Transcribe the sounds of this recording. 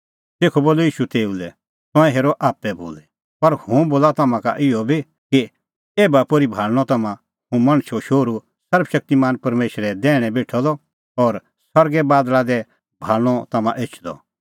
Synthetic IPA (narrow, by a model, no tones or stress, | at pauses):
t̪eːkʰɔboːlojiːʃut̪eːulɛ | t̪ɔ̃ɛ̃ɦeːɾɔʔaːpːɛbo̰ːlɛ | pɐɾhũboːlat̪ɐmãka̰ʔɪɔbʱi | ki | eːbapoːɾibʱaːlñɔt̪ɐmã | ɦũmɐ̃ɽ̃ʃʰoʃoːɾu | sɐɾbʰʃɐk̚t̪imaːnpɐɾmeːʃɾɛd̪ɛːɽ̃ɛ̃beːʈʰɔd̪ɔ | ɔːɾ | sɐɾɡɛbaːd̪lad̪ɛ | bʱaːlñɔt̪ɐmã̰ʔeːt͡ʃʰd̪ɔ̰